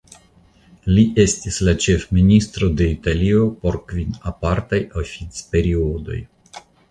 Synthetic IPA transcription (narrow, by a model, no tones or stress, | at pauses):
liʔe̞stislat͡ʃe̞fministɾo̞de̞italio̞po̞ɾkvinapaɾtajofit͡spe̞ɾiodo̞̰j